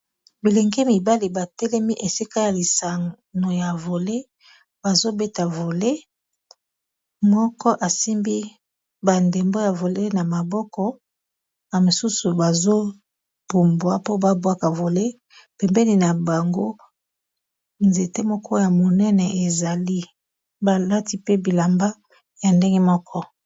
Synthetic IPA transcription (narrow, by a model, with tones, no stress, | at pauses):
bi˨lɛ˨ŋɡe˦mi˨ba˦li˨ba˨tɛ˦lɛ˦mi˦ʔe˨si˦ka˦ja˨li˨sa˨ | no˨ja˨vo˨le˦ | b̥a˨zo˦be˦ta˨vo˨le˦ | mɔ˦kɔ˦ʔa˨si˦mbi˦ | ba˨nde˨mbo˦ja˨vo˨le˦na˨ma˨bɔ˦kɔ˦ | na˨mo˨su˦su˨ba˨zo˦ | b̥u˨mbwa˦po˦ba˦bwa˦ka˨vo˨le˦ | pɛ˨mbɛ˦ni˨na˨ba˨ŋɡo˦ | nze˨te˦mɔ˦kʰɔ˦ja˨mo˨nɛ˦nɛ˨ʔe˨za˨li˦ | ba˨la˦ti˦pe˦bi˨la˨mba˦ | ja˨nde˦ŋɡɛ˦mɔ˦kʰɔ˦